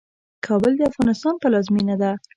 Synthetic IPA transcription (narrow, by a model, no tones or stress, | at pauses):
kʰɑbʊld̪əafɣɑnɪst̪ɑnpəlɑzminad̪a